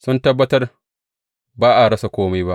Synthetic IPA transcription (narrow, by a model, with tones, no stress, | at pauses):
sʊ˦ntɐ˦bːɐ˦tɐ˦r | baː˦ʔa˨ɽɐ˦sa˨kʷoː˦ma˦jba˦ʔ